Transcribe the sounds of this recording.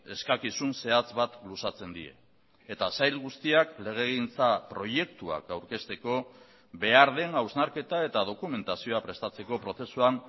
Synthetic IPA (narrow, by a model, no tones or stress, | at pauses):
e̞skakisunse̞at͡sβat̪lusat͡se̞nd̪ie̞̰ | et̪asajlɣust̪iakle̞ɣ̞e̞ɣint͡sapɾo̞ʝe̞k̚t̪ua̰kawɾke̞st̪e̞ko̞ | be̞aɾðe̞ŋawznaɾke̞t̪ae̞t̪að̞o̞kume̞nt̪asio̞apɾe̞st̪at͡se̞ko̞pɾo̞se̞suan